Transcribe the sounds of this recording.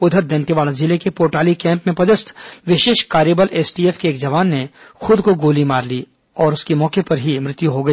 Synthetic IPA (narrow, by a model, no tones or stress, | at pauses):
ʊd̪ʱəɾd̪ẽnt̪iʋaːlazɪlekepoːɾʈaːlikɛ̃ːmpmẽpɐd̪ɪst̪ʰʋɪʃeːʃkaːɾjebəlʔeːsʈieːfkeːkd͡ʒɐʋaːnːexʊd̪koɡoːlimaːɾliː | ɔːɾʊskemɔːkepɐɾɦimɾɪt̪juɦoɡɐiː